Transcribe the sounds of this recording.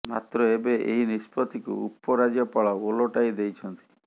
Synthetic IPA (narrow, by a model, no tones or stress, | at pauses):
ma̰t̪ɾɔebeʔḛɦinispɔt̪ikṵupːɔɾad͡ʒjɔpaɭɔoloʈaid̪ejt͡ʃʰɔnt̪i̥